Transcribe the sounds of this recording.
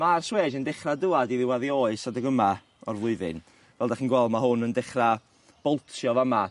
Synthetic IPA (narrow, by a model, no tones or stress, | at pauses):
marsweːdəndɛχraduadiðɪwaðioɨsadəɡəma | ɔrvlˠʊɨðɨ̰n | vɛlˠdaχinɡwɛlˠdmaɦʊnəndɛχra | b̥ɔlˠtʰjɔvama